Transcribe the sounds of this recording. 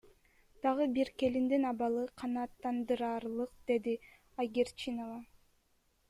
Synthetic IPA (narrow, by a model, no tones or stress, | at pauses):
d̪̥ɑʁɯbiɾke̞lind̪inɑbɑlˠɯqʰɑnɑːt̪ːɑnd̪ɯɾɑːɾlˠɯqd̪̥e̞d̪i | ajɡʲeɾt͡ʃinovɑ